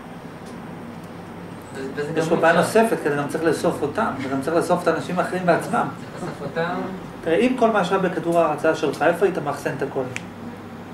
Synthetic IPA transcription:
ejeʃlobajano̞se̞fet̚kedeɡamt͡saʁiχleso̞fotamtaɡamt͡saʁiχleso̞fet̪aːnaʃimaːχeʁimbeat͡smam | t̪iʁeimko̞lmaʃabekaduʁaːʁat͡saaʃelot̪χae̞foait̪amaːχsenet̪ako̞l

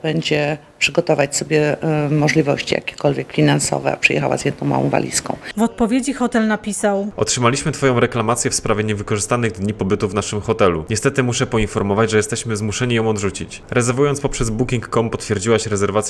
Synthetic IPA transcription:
b̥ɛɲd͡ʑɛ | pʂɘɡɔt̪ɔvat͡ɕsɔbʲjɛmɔʐlʲivɔ̰ɕt͡ɕḭja̰kʲe̥kɔlvʲjɛkfʲinansɔ̰vɛ̰a̰pʂɨjɛ̰xawa̰zjɛd̪nɔ̃w̃ma̰wɔ̰̃w̃va̰lʲḭskɔ̃w̃vɔt̪pɔvʲjed͡ʑixɔt̪ɛlnapʲisawɔ̰tʂɘmalʲiɕmɘt̪fɔjɔ̃w̃ɾɛklamat̪sʲjɛfspɾavʲɛɲɛvɘkɔʐɘst̪anɘɣd̪ɲipɔbɘt̪uvnaʂɘmxɔt̪ɛlṵɲɛst̪ɛt̪ɘmuʂɛpɔinfɔɾmɔvad͡ʑʐɛjɛst̪ɛɕmɘzmuʂɛɲijɔ̃w̃ɔd̪ʐut͡ɕḭt͡ɕ | ɾɛzɛɾvujɔnt̪spɔpʂɛzbukʲiŋkːɔmpɔt̪fʲjɛɾd͡ʑiwaɕɾɛzɛɾvat̪sʲ

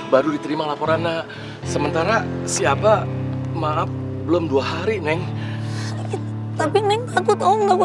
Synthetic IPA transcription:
baɾudit̪əɾimalapoɾanːa | səmənt̪aɾasiapamaaf̚bəlomduaɦaɾinɛŋ | t̪apinɛŋt̪akʊt̪ɔŋɡa

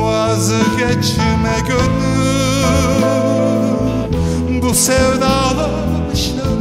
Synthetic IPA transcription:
a | zɯɡɛt͡ʃʰiɾmɛkøny | busɛvnalˠa | mɯʃt̪ɯ

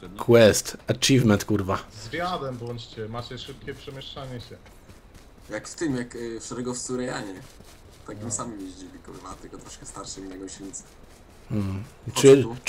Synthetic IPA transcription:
kʰwɛst̪at͡ʃivmɛnt̪kuɾvazvʲjad̪ɛmbɔɲt͡ɕt͡ɕɛmat͡ɕɛʂɨp̚kʲɛpʂɛmʲjɛʂt͡ʂaɲɛɕɛ | jakft̪ɪmjakfʂɛɾɛɡɔfsuɾɛjaɲɛ | t̪akʲimsamɨmjeʑd͡ʑibʲlʲikɔvvat̪ɛlkɔt̪ɾɔʂkɛst̪aɾʂɛmiɲɛɡɔɕʲit̪sɛ̥ | m̩

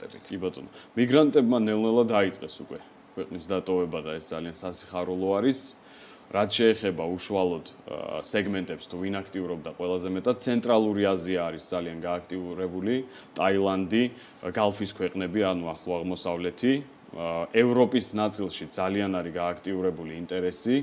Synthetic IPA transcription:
ɛit̪ʰkʼibat̪ʼɔnɔmiɡɾant̪ʼɛbmanɛlˠnɛlˠad̪ait̪sʼqʼɛsukʼwɛ | kʰwɛqʼnisd̪at̪ʼɔvɛbad̪aɛsd̪zaliansasi̥χaɾulˠɔaɾis | ɾat̪ʰʃɛːχɛbauʃualˠɔd̪̥sɛɡmɛnt̪ʼɛpst̪ʰuvinakʰt̪ʼiuɾɔb̚d̪aqʼwɛlˠazɛmɛt̪ʼad̪̚t̪sʰɛnt̪ʼɾalˠuɾiaziaːɾisd̪zalianɡaːkʰt̪ʼiuɾɛbuli | t̪ʼailˠand̪i | ɡalˠpʰiskʰwɛqʼnɛbianuaχlˠɔaʁmɔsavlɛt̪ʰi | ɛvɾɔpʼisnat̪sʼilˠʃid̪zalianaɾiɡaːkʰt̪ʼiuɾɛbuliːnt̪ʼɛɾɛsi

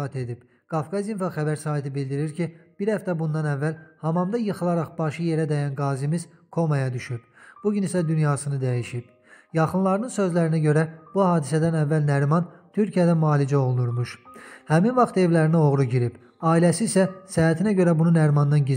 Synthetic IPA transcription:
ɑt̪ʰe̞d̪ib̥ | ɡ̥ɑfkɑzinfɑχæbæɾsɑːɦit̪ʰibild̪iɾiɾcʰib̥iɾhæft̪æbund̪ɑnævːælhɑmɑmd̪ɑjɯχɯlˠɑɾɑχb̥ɑʃɯje̞ɾæd̪æjænɡɑːzimiz̥ | kʰo̞mɑjɑd̪yʃyb̥b̥uɟynisæd̪ynjɑːsɯnɯd̪æjiʃib̥ | jɑχɯnlˠɑɾnɯnsø̞zlæɾinæɟø̞ɾæb̥uhɑːd̪isæd̪ænævːælnæɾmɑnt̪ʰyɾcʰijæd̪æmɑːlid͡ʒæo̞lˠnuɾmuʃhæminvɑχt̪e̞vlæɾinio̞ʁɾuɟiɾib̥ | ɑːilæsiːsæsææt̪ʰinæɟø̞ɾæbununæɾmɑnd̪ɑnɟiz

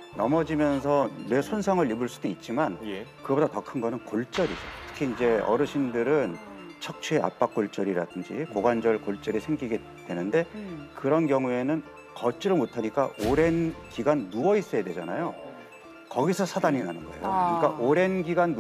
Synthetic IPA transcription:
nʌmʌd͡ʑimjʌnsʰʌne̞sʰonsʰʌŋɯɭːibɯɭs͈udoit̚t͡ɕ͈imankɯɡʌbudatʌkʰɯnɡʌnɯnkoɭt͡ɕ͈ʌɾid͡ʑʌtʰɯ̥kʰiind͡ʑe̞ʌ̰ɾɯɕʰindɯɾɯn | t͡ɕʰʌk̚t͡ɕʰue̞a̰p͈ak̚k͈oɭt͡ɕ͈ʌɾiɾa̰dɯnd͡ʑikoɡwand͡ʑʌɭkoɭt͡ɕ͈ʌɾisʰe̞ŋɡiɡe̞ | dwe̞nɯnde̞kɯɾʌnkjʌŋue̞nɯn | kʌt͡ɕ͈iɾɯɭmotʰaɲik͈aʔoɾe̞nkiɡanːuʌis͈ʌjedwe̞d͡ʑana̰jo | kʌɡisʰʌsʰadaɲinanɯnɡʌejokɯɲik͈aʔoɾe̞nɡiɡanː

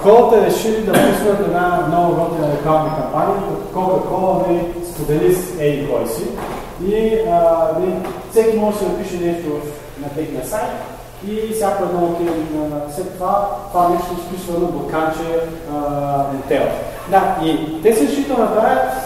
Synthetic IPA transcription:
kɔlˠət̪əɾɛʃilid̪ɐpusnɐt̪ɛd̪nad̪nɔvɐɡɔt̪ənɐlokalnəkompanʲiəkɐkɔlˠkəxɔlˠənɛlist̪od̪ɛlisɛikɔjsi | iənɛli | sɛkʲimɔʒɛsid̪ɐpiʃɛnɛʃt̪ovəf | nɐt̪ɛxnɐsajt̪̚ | isʲjapɛnɔot̪ɛnɐslɛt̪ːovat̪vamɛʃt̪ospisvɐnoblˠɐkat͡ʃɛ | t̪ɛɾ̰t̪ | d̪ait̪ɛsiɾʃit̪ənɐpɾajət̪

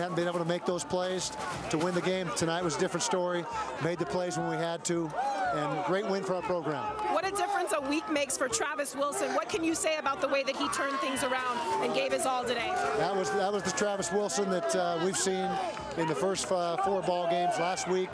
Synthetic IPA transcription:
hævn̩bĩneɪbl̩ˠtʰəmeɪk̚ðoʊz̥pʰl̥eɪz̥ | tʰəwɪ̃nðɨɡẽɪ̃mtʰɨnaɪt̚wʌzədɪfɹɨ̃ntstɔɹimeɪd̪̚ðɨpʰl̥eɪzwə̃nwiɨd̚tʰuɨ̃nɡɹeɪt̚wɪ̃nfə˞aʊ˞pʰɹ̥oʊɡɹæ̃mwʌɾɨdɪfɹɨ̃nsəwikmeɪksfə˞tʰɹ̥ævɨswɪlˠsɨ̃nwʌt̚kʰɨ̃njɨseɪɨbaʊt̪̚ðəweɪðɨt̚hitʰɜ̃˞nθɪ̃ŋzə˞ãʊ̃ndɨ̃nɡeɪvɨsɔlˠtɨɾeɪðət̚wʌzðət̚wʌzðɨtʰɹ̥ævɨswɪlˠsə̃nðɨtwiv̥sĩn | ɨ̃nðɨfɜ˞stfɔɹbɔlˠɡẽɪ̃mzlæst̚wik̚

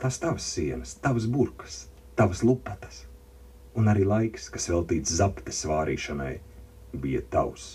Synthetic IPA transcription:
t̪ast̪avəsːiɛnɨst̪avas̬buɾkə̥s | t̪avaslˠupːat̪ə̥s | unaɾiːlˠajkskasvɛlˠt̪iːt̪szapt̪e̥svaːɾḭːʃanaj | bijat̪a̰ws

